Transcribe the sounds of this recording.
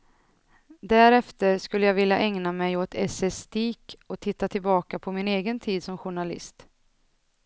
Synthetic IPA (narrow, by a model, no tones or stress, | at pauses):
d̪æɾɛft̪əɾskɵlːəjaːɡvɪljaʔɛŋnamɛjoːt̪ʰɛsɛst̪iːkɔt̪ʰɪt̪ːat̪ʰɪlbɑːkapʰɔmɪneːɡənt̪ʰiːd̪sɔmɧʊɳalɪ̰st̪